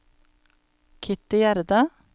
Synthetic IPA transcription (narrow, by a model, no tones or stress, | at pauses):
kʰɪt̪ɪjæɾd̪ɑ